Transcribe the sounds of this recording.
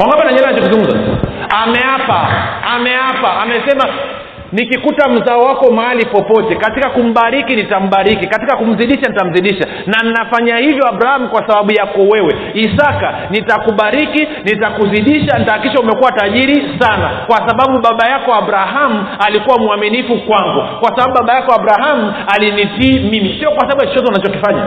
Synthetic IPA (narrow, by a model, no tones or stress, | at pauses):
waŋɡapanaɲɛlaɲd͡ʒɔkuzuŋɡumzaamɛapaamɛapaʔamɛsɛma | nikikutam̩zaɔwakɔmaalipɔpɔtɛkatikakum̩ɓaɾikinitam̩ɓaɾikikatikakum̩ziɗiʃanitam̩ziɗiʃa | nannafaɲahivjɔaɓɾahamukwasaɓaɓujakɔwɛwɛ | isaka | nitakuɓaɾiki | nitakuziɗiʃantakiʃaumɛkuwataʄiɾisanakwasaɓaɓuɓaɓajakɔaɓɾaɦamualikuwamuaminifukwaŋɡukwasaɓaɓuɓaɓajakɔaɓɾaɦamualinitiːmimisiɔkwasaaɓuat͡ʃɔzɔnat͡ʃɔkifaɲa̰